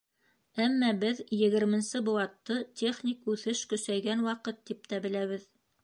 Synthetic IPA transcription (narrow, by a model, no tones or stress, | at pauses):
æmːæbɘðjɘ̆ɡɘ̆ɾmɘ̆nsɘbuwɑt̪ːɤt̪ʲʰeχnʲikʉθɘʃkɵ̆sæjɡænwɑqɤt̪ːip̚t̪æbɘ̆læβɘð